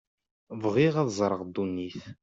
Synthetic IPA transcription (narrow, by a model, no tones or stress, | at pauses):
vʁiʁæðzˤɾˤəʁd̪unːiθ